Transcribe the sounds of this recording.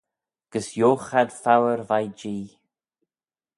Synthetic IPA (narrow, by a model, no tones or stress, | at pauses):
ɡ̥əsjoːxad̪̥fawəɾvajd͡ʒiː